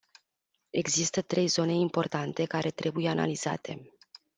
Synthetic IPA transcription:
e̞ɡzist̪ət̪ɾe̞jzo̞ne̞impo̞rt̪ant̪e̞kaɾʔe̞t̪ɾe̞buje̞ana̰liz̥a̰t̪ʰe̞

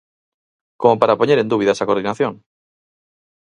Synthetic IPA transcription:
komopaɾapoɲeɾe̞nd̪uβ̞iðasako̞ɾðinaθjoŋ

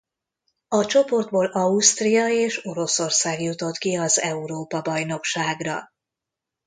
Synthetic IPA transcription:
ɒt͡ʃo̞po̞rd̪̚boːlɒust̪rijɒeːʃo̞ɾo̞so̞rsaːɡjut̪o̞t̪kiɒzɛuɾoːpɒbɒjno̞kʃaːɡrɒ̰

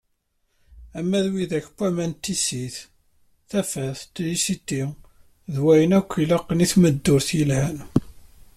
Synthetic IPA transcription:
æmːæðwiðæçpːæmænt̪ːisiθ | θæfæθt̪ːlisit̪ːi | ðwæjənækʷːilɑqːniθməd̪ːʊɾθjəlhæn

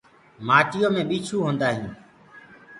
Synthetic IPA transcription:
maːʈɪjõːmẽːɓiːt͡ʃʰuːɦõːnd̪aːɦĩː

